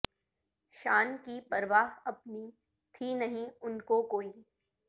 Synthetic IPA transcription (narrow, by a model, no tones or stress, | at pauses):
ʃaːnkipɐɾʋaːɦɐp̚ni | t̪ʰinɐɦĩʊnkokoːi